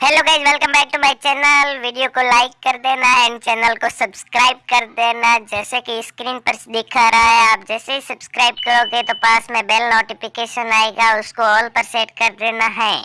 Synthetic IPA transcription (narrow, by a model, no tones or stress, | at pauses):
hɛloːɡaːɪd͡ʒʋɛlkə̃mbɛːk̚ʈumaːɪt͡ʃɛːnəlʋiːɖijokolaːɪkːɐɾd̪eːnaɛ̃ːɳɖt͡ʃɛːnəlkosɐbskɾaːɪb̚kɐɾd̪eːnad͡ʒɛːsekiskɾiːnpɐɾd̪ekʰaɾɐɦaɦɛaːp̚d͡ʒɛːseɦisɐbskɾaːɪbkɐɾoːɡet̪opãːsmẽbeːlnoːʈifɪkeːʃənaːeɡaʊskoɔːlpɐɾseːʈkɐɾd̪eːnaɦɛ̃ː